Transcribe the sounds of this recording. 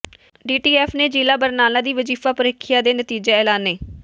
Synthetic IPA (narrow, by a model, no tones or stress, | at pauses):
ɖiːʈiːɛːfʰneːd͡ʒiːlaːbəɾnaːlaːd̪iːʋəd͡ʒiːfaːpəɾɪːkʰijaːd̪eːnət̪iːd͡ʒeːɛːlaːnːeː